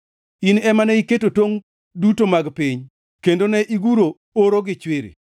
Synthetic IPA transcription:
inɛmanɛiketotwoŋ | dutomaɡpiɲ | kendonɛʔiɡuɾo | oɾoɡɪt͡ʃwɪɾḭ

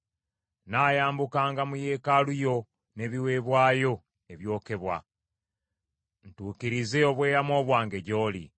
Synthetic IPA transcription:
naːjaːmbukaːŋɡamuje̞ːkalujo̞ | ne̞βiwe̞ːβwaːjo̞ | e̞βjo̞ːke̞βwa̰ | n̩tuːkiɾize̞o̞βwe̞ːɾamo̞ːβwaːŋɡe̞ɟo̞ːlḭ

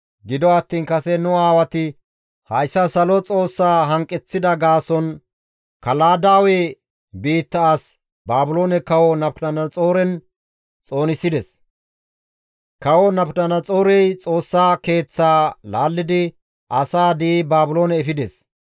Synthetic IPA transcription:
ɡɪd̪ɔɐt̪ːiːnkɐsɛnʊaːwɐt̪ɪ | hɐjsːɐsɐlɔt͡sʼo̞ːsːaːɦɐŋkʼːɛt͡sːɪd̪ɐɡaːsɔn | kɐlaːd̪aːwe | biːt̪ːɐːs | baːbʊlo̞ːnɛkɐwɔnɐpdɐnɐt͡sʼo̞ːɾɛn | t͡sʼo̞ːnɪsɪd̪ɛs | kɐwɔnɐpnɐnɐt͡sʼo̞ːɾɛjt͡sʼo̞ːsːaːke̞ːt͡sːaːlaːlːɪd̪ɪ | ʔɐsaːd̪iːbaːbʊlo̞ːnɛfɪd̪ɛs

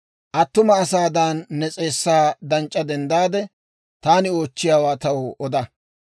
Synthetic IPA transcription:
ʔɐt̪ːʊmɐːsaːd̪anːɛt͡sʼe̞ːsːaːd̪ɐnt͡ʃʼːɐd̪ɛnd̪aːd̪ɛ | t̪aːnɪoːt͡ʃːɪjaːwaːt̪ɐwoʔɔd̪ɐ

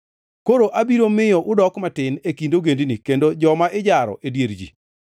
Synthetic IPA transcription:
koɾoʔabiɾomɪjɔʔʊdɔkmatɪnekindoɡendinikendod͡ʒɔmaʔɪd͡ʒaɾɔ̰ʔedjeɾd͡ʒḭ

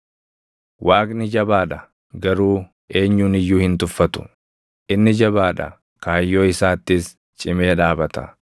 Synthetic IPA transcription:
wʔaːkʼnɪd͡ʒɐbaːᶑɐ | ɡɐɾuː | e̞ːɲːuːnɪjːuːhɪnt̪ʊfːɐt̪ʊ̥ | ʔɪnːɪd͡ʒɐbaːᶑɐ̰ | kaːjːo̞ːɪsaːt̪ːɪs | t͡ʃʼɪme̞ːᶑaːbɐt̪ɐ̰

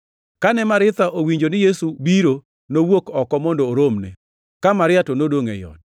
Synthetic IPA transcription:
kanɛmaɾɪt̪aʔowiɲd͡ʒonɪjesubiɾo | nowokɔkɔmɔndɔːɾomnɛ̰ | kamaɾɪatonodoŋɛ̰jɔ̰d

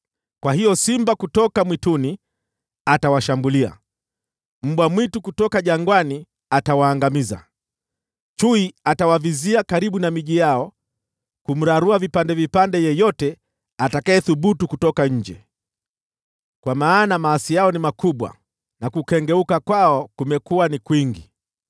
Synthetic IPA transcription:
kwahijɔsimbakutɔkamwituni | atawaʃambulia̰ | m̩ɓwamwitukutɔkaʄaŋɡwani | atawaːŋɡamiza̰ | t͡ʃuiatawaviziakaɾiɓunamiʄijaɔ | kum̩ɾaɾuavipandɛvipandɛjɛjɔtɛ | atakaɛθuɓutukutɔkaɲ̩d͡ʒɛ | kwamaːnamaːsijaɔnimakuɓwa̰ | nakukɛŋɡɛukakwaɔkumɛkuwanikwiŋɡi

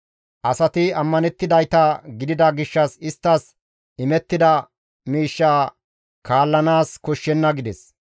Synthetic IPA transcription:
ʔɐsɐt̪ɪɐmːɐnɛt̪ːɪd̪ɐjt̪ɐɡɪd̪ɪd̪ɐɡɪʃːɐsɪst̪ːɐs | ɪmɛt̪ːɪd̪ɐ | miːʃːaː | kaːlːɐnaːskɔʃːɛnːɐɡɪd̪ɛs

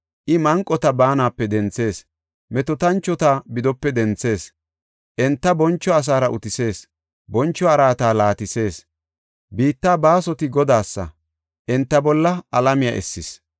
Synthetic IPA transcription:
ʔɪmɐŋkʼːɔt̪ɐbaːnaːpːɛd̪ɛnt͡sːe̞ːs | mɛt̪ɔt̪ɐnt͡ʃːɔt̪abɪd̪ɔpːɛd̪ɛnt͡sːe̞ːs | ʔɛnt̪ːɐbɔnt͡ʃːɔɐs̬aːɾɐʔʊ̰t̪ɪse̞ːs | bɔnt͡ʃːɔɐɾaːt̪aːlaːt̪ɪse̞ːs | biːt̪ːaːbaːsɔt̪ɪɡɔd̪aːsːɐ̰ | ʔɛnt̪ːɐbɔlːɐʔɐlɐmɪja̰ʔɛ̰sːɪs

